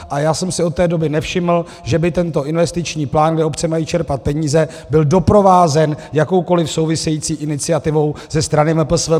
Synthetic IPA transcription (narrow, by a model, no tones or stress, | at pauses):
ʔajaːsɛmsɪot̪ːɛːdo̞bɪnɛfʃɪml̩ | ʒɛbɪt̪ɛnt̪o̞ʔɪnvɛst̪ɪt͡ʃɲiːplaːnɡdɛopt͡sɛmajiːt͡ʃɛɾpat̪̚pɛɲiːzɛ | bɪldo̞pɾo̞vaːzɛnjako̞wko̞lɪfso̞wvɪsɛjiːt͡siːʔɪnɪt͡sɪat̪ɪvo̞wz̥ɛst̪ɾanɪmɛpl̩svɛ